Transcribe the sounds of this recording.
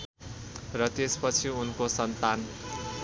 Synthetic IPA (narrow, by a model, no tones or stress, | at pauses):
rʌt̪espʌt͡sʰiunkosʌnt̪an